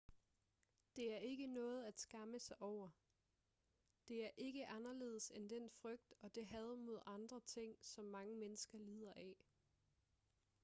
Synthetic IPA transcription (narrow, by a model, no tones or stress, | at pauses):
d̥e̝æɐe̝ɡ̥ənɔ̽ːð̞̩ˠæd̥sɡ̥ɑ̈məsɑ̈ɪʔɒʊ̰ɐ | d̥e̝æɐʔe̝ɡ̥əʔɑ̈nɐle̝̰ːð̞ˠəsend̥enfʁœɡ̥̚d̥ɒ̽d̥e̝ɦɛð̞ˠmo̝ð̞ˠɑ̈nd̥ʁɐt͡sʰe̝ŋ̰sɒ̽mːɑ̈ŋəmenəsɡ̥ɐliːð̞̰ˠɐʔɛ